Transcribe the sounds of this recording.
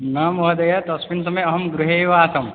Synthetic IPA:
naːmɐɦɐd̪ɐjɐt̪ɐsmins̬ɐmɐjɐɦɐmɡɾuɦeːʋaːsɐm

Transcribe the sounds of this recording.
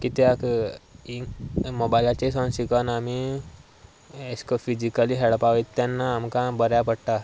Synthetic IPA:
kit̪jakiŋmobajlat͡ɕesɔ̃nsikənami | eskəfid͡ʑikaliɦeɭpaʋejt̪ːjanːaːmkãbəɾjapəɽʈ̪a

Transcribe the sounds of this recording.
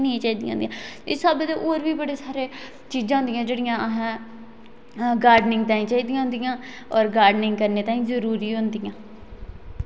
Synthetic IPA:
nəĩːt͡ʃaːiːd̪ijãːnd̪ijãːɪsaːbed̪eːʔoːɾʋiːbəɽeːsaːɾeː | t͡ʃiːd͡ʒãːɦʊnd̪ɪjãːd͡ʒeːɽɪjãːɦɛ̃ː | ɡaːɾɖnɪŋɡ̚t̪ãːĩːt͡ʃaːiːd̪ijãːɦʊ̃nd̪ɪjãː | ɔːɾɡaːɾɖnɪŋɡkəɾneːt̪aːĩːzəɾuːɾiːɦʊnd̪ɪjãː

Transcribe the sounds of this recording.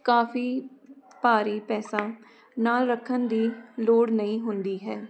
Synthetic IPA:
kaːfʰiːpaːɾiːpɛːsãː | naːlɾəkʰənd̪iːloːɽnəĩːɦʊnd̪iːɦɛː

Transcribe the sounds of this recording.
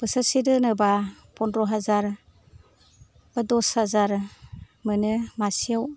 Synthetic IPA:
b̥ɯsasidɯnɯba | pɔndɾɔɦazaɾ | bɯdɔshazaɾ | mɯnɯmasijaw

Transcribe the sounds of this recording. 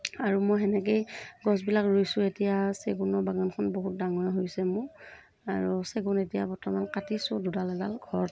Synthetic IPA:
aɹumojɦɛnɛk̬ejɡɔsbilakɹojsʊetijaseɡunɔɹbaɡɔnkʰɔnboɦut̚daŋɔɹɦojsɛmʊ | aɹuseɡunetijabɔɹtɔmankatisʊdudalɛlalɡʱɔɹ

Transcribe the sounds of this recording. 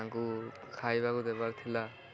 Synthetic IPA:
aŋkukʰajbakudɛbaɾt̪ʰila

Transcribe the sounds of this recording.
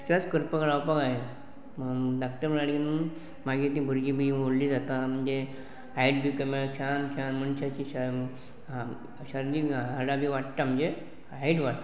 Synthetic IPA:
st͡ɕat͡skəɾpəkəɽawpəɡaɦe | dak̚ʈəɾməaɽin | maɡit̪̬ĩbʱuɾɡibʱiʋoɽliːd͡zat̪am̤əɳd͡ze | ajʈbikəmeɾakʰankʰanm̤əɳɕat͡ɕiːɕə | ɕəɾliəɽabʱiʋaʈt̪am̤əɳd͡ze | aiʈʋaʈ̪a

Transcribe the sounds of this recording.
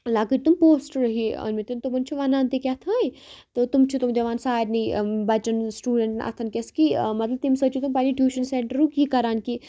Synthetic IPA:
laːkɨɾt̪umpoːsʈɾɐɦiɐ̰nmit̪int̪umɐnt͡ʃʰuʋɐnaːnt̪ekʲɐt̪ʰãːit̪ɨt̪umt͡ʃʰut̪umd͡ʒɐʋaːnsaːd̪nibɐt͡ʃɐnsʈuːɖeɳʈnʔɐ̰t̪ʰɐnkʲeskimɐt̪lɐb̚t̪imsɐt͡ʃʰut̪umpaːniʈjuːʃɐnseːɳʈəɾukikɐɾaːnki

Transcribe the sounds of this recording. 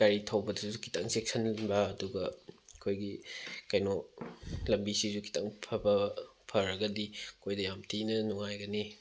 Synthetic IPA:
kaɾitʰɐwbɐdɐsukʰi̥tʰɐŋsek̚sʰɐnbɐːduɡɐkʰojɡikɐjnɔ | lɐmbisizukʰi̥tʰɐŋpʰɐbɐpʰɐɾɐɡɐdikʰojdɐjamtʰinɐnuŋajɡɐni

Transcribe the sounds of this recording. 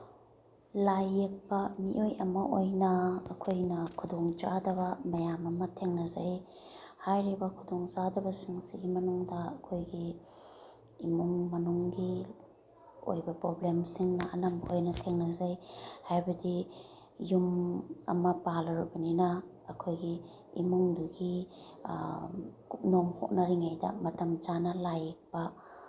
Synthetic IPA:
lajek̚bɐmiʔojɐmɐʔojnɐ̰ːkʰojnɐkʰudoŋza̰dɐbɐmɐjamɐmɐtʰeŋnɐzaj | hajɾibɐkʰudoŋzadɐbɐsiŋsiɡimɐnuŋdɐɐkʰojɡi | muŋmɐnuŋɡi | o̰jbɐpɾoblemsiŋnaʔɐnɐmhojnɐtʰeŋnɐzajhajbɐdi | jumɐ̰mɐpalaɾubɐnina | ɐkʰojɡiː | muŋduɡi | kup̚nɔmho̰k̚naɾiŋajdɐ̰mɐtɐmt͡ʃanɐlajek̚b̥a

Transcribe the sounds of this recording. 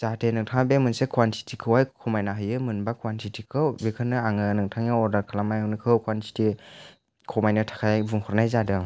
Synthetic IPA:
z̥atʰenɯŋtʰaŋbemɯnsekʰuwantʰi̥tʰikʰɯwajkʰɔmajnaɦɯjɯmɯnbakʰuwantʰitʰikʰɯwbekʰɯnɯaŋɯnɯŋtʰaŋaɔdaɾkʰalamajnɯkʰɯwkʰwantʰi̥tʰi | kʰɔmajnɯtʰḁkʰajbuŋhʰɔɾnajzadɯ

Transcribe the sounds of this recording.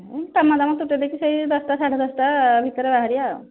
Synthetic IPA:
et̪amːad̪amat̪uʈed̪ekʰisəid̪ɔsʈasaʈʰad̪ɔsʈabʱit̪ɔɾebaɦaɾijao

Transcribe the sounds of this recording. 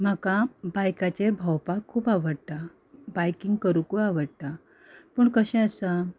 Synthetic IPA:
m̤akabajkat͡ɕeɾbʱawpakʰːuːpaʋəɽt̪a | bajkiŋɡkəɾukuaʋəɽt̪a | pəːɳkəɕɛ̃əsa

